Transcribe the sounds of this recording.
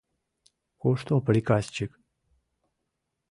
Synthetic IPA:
koʂt̪opɾikast͡ʃik

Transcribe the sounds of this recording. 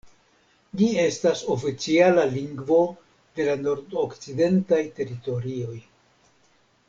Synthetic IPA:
d͡ʒie̞staso̞fit͡sialaliŋɡvo̞ | d̪e̞lano̞ɾdokt͡side̞ntajte̞ɾito̞ɾio̞j

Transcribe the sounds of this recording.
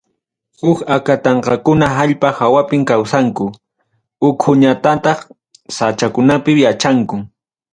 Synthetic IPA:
hʊkakat̪ɑɴqɑkʊnaɦaʎpahawapɪŋkawsaŋkʊ | ʊkʰʊɲat̪at̪ɑχ | sat͡ʃakʊnapɪjat͡ʃaŋkʊŋ

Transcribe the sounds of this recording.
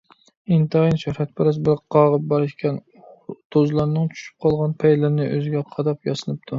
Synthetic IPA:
int̪ʰɨinʃuhɾɛt̪̚pʰɪɾɑsbɪɾqʰɑʁəp̚bɑɾɪʃkʲʰɛn | t̪ʰozlˠɑɾnɨŋt͡ʃʰy̥ʃy̥p̚qʰɑlˠʁɑnpʰɛjlɪɾnɪʔø̰zɪɡʲɛqʰɑd̪ɑpjɑsɨnɨp̚t̪ʰu

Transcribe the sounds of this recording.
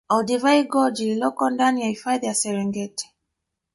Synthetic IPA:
ɔldivaiɡɔd͡ʒilɔkɔndaniaifajdasɛɾɛ̃ŋɡɛtɛ̥

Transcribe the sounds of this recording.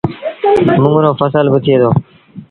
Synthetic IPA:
mʊ̃ŋɡɾõːfəsəlbət̪ʰɪeːd̪oː

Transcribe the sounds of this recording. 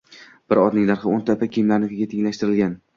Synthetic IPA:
b̥ɪɾɒd̪nɪŋd̪aɾχɨont̪ʰapakʲijmlaɾnɪkʲɪɡʲat̪ʰɪŋlaʃt̪ɪɾɪlɡʲan

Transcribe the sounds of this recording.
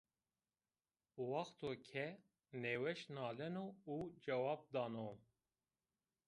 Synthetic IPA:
wɑxt̪ʰoːkʲʰɛ | neːwɛʃnɑːlɛnoud͡ʒɛwɑːb̚d̪ɑːno

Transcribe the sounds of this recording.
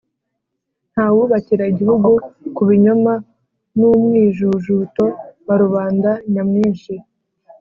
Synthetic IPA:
n̥haːwuβaciɾaiɟihuɡukuβiɲoma | numŋiːʒuʒuto̞βaɾuβaːndaɲamŋiːnʃi

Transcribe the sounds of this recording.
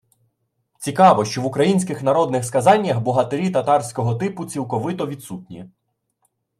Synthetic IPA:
t͡sʲikɑʋɔʃt͡ʃɔʋʊkɾɐjinʲsʲkɪxnɐɾɔd̪nɪxskɐzɑnʲːɐxbɔɦɐt̪eɾʲit̪ɐt̪ɑrsʲkɔɦɔt̪ɪpʊt͡sʲilˠkɔʋɪt̪ɔʋʲid̪sut̪̚ʲnʲḭ

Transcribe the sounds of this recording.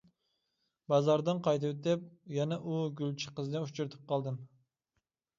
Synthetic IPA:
bɑzɑɾd̪ɨnqʰɑjt̪ɨwt̪ɪp̚jɛnɛʔuɡʲylt͡ʃʰi̥qəznɨut͡ʃʰyɾt̪ʰɨ̥p̚qʰɑlˠd̪ɨm

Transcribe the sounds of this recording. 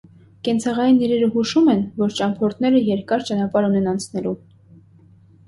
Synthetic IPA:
kɛnt͡sʰɑʁɑjinːiɾɛɾəɦuʃumɛnvɔɾt͡ʃɑmpʰɔɾt̪ʰnɛɾəjɛɾkɑɾt͡ʃɑnɑpɑɾunɛnɑnt͡sʰnɛlu

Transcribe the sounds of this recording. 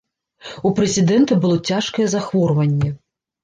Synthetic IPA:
upɾɛzʲid̪ɛnt̪ɐbɨlˠɔt͡sʲaʂkɐjɛzaxvɔrvɐnʲːɛ

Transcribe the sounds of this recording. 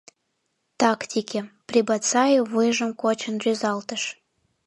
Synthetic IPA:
t̪ɑkt̪ʲikʲeprʲibɑt̪t͡sɑjovɨjʒə̆mkot͡ɕənrʲyzɑlt̪əʃ

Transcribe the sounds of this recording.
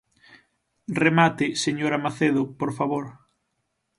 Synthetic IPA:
remat̪ɪseɲoɾamaθeðʊpoɾfaβoɾ

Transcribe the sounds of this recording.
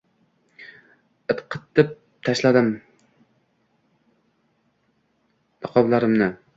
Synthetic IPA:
ɨt̪qʰɨt̪ʰːɪp̚ | t̪ʰaʃlad̪ɪm | nɨqʰɒblˠaɾɪmnɪ

